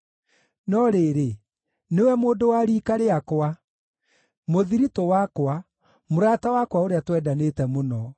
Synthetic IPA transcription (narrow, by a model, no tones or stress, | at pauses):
nɔɾeɾe | newɛmoːdowaɾiːkaɾeakwa | moðiɾitɔwakwa | moɾatawakwaoɾeatwɛːdanetɛmonɔ